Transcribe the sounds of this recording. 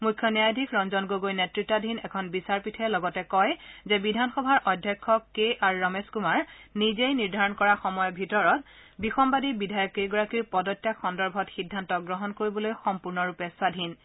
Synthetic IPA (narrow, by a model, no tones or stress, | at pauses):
mujkʰːjɔnjajdʱikɹɔnzɔnɡoɡojnetɹitːadʱinɛkʰɔnbisaɹpitʰɛlɔɡɔtɛkɔjzɛbidʱanxɔbʱaɹʔɔdʱjɔkʰːɔkːeʔaɹuɹɔmeskumaɹnizejniɹdʱaɹɔnkɔɹaxɔmɔjɔbʱitɔɹɔtbixɔmbadibidʱajɔkːejɡɔɹakiɹpɔdɔtːjaxɔndɔɹbʱɔtxidʱːantɔɡɹɔɦɔnkoɹibɔlojxɔmpuɹnɔɹupɛsadʱin